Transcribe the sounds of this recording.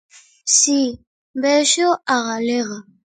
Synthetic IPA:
si | mbɛʃoʔaɣalɛɣa

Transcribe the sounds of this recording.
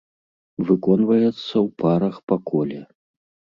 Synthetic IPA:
vɨkɔnvɐjɛt̪sːɐwpʰaɾɐxpakɔlʲɛ

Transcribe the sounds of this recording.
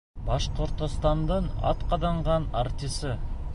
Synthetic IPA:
bɑʃqʰʊɾt̪ost̪ɑnd̪əɴɑ̰t̪qʰɑd̪ɑɴʁɑnaɾt̪ʲisɪ

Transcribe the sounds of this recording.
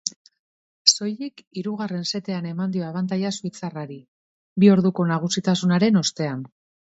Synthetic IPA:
so̞jikiɾuɣ̞are̞nse̞t̪e̞ane̞mand̪io̞aβant̪̬ajasuit͡saraɾi | bio̞ɾðuko̞naɣ̞usit̪asunaɾe̞no̞st̪e̞an

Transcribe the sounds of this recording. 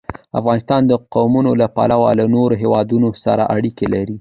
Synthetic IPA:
a̰fɣɑnɪst̪ɑnd̪əqawmunolapa̰lawa̰lanoɾoɦewɑd̪unosaɾaʔaɽikelaɾi

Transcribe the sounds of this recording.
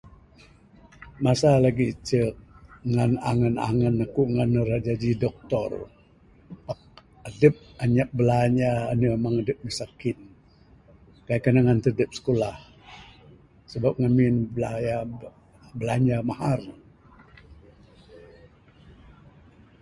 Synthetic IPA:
masalaɡit͡ʃəʔŋanaŋəna̰ŋənːakuʔŋanəɾad͡ʒad͡ʒidɔk̚t̪ɔr | pak̚ | adəp̚aɲaʔ̚bəlaɲaːnəmaŋadəp̚məsakɪt̪̚ | kajkənaŋant̪ədəp̚sə̥kolah | səbap̚ŋaminbəlaja | bəlaɲamahar

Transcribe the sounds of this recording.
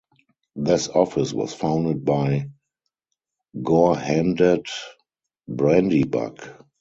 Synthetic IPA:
ðɪsɔfɪswɔ̰sfãʊ̃ndəd̚baɪ | ɡɔhæ̃ndəd | bɹɛ̃ndiba̰k

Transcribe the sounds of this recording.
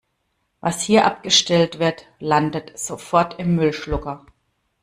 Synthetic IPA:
vashiːɐʔa̰p̚ɡ̥əʃtɛltv̥ɪɐtlandətz̥ofɔɐtɪmːʏlʃlʊkɐ

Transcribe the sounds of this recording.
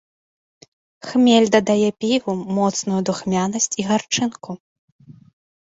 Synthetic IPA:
xmʲelʲd̪ɐd̪ajɛpʲivumɔt̪snujud̪uxmʲanɐsʲt͡sʲiɣart͡ʂɨnku

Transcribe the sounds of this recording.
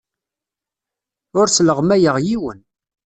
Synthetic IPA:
ʊɾsləʁmæjəʁjiwən

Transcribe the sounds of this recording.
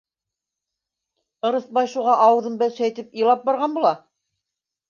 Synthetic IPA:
ɤ̆ɾɤ̆θbɑjʃuʁɑʔɑwɤ̆ðɤmbælsæjt̪ɘpij̆lˠɑp̚bɑɾʁɑnbulˠɑ

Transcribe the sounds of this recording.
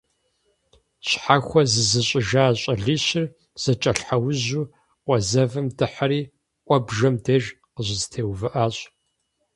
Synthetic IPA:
ɕħaxʷɔzɨzɨɕʼɪʒaːɕʼɐɮiːɕɪr | z̥ɐt͡ʃʼɐɬħawʊʑuː | qʷʼɔzɐvɨmdɨħaɾiː | qʷʼɔbʒɐmdeːʒ | qəʑɪztʰeːwvɨʔaːɕʼ

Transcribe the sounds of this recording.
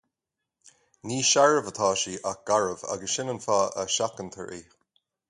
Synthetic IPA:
niːʃaɹəvət̪ʰaːʃiːʔak̚ɡ̥aɹəva̰ɡəsʃɪnənfaːəʃakənt̪ʰə̰ɹʔiː

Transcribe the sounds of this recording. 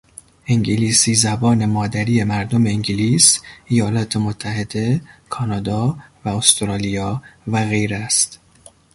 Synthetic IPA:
ʔeŋɟeliːsiːzæbɒːne̞mɒːd̪æɾije̞mæɾd̪omeiŋɟiliːsejɒːlɒːt̪ʰe̞mot̪ʰːæhe̞d̪e̞kʰɒːnɒːd̪ɒːvæost̪ɾɒːlijɒːvæɣe̞jɾæst̪

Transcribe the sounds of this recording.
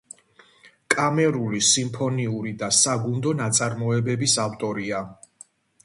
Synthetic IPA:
kʼamɛɾulisimpʰɔniuɾid̪asaɡund̪ɔnat̪sʼaɾmɔɛbɛbisaft̪ʼɔɾia

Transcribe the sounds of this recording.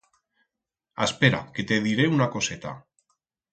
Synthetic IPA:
a̰speɾa̰ket̪eðiɾeunako̞set̪a̰

